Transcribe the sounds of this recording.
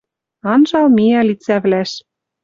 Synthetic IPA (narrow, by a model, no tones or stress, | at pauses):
ɑnʒɑlmiɑlit͡sæβlæʃ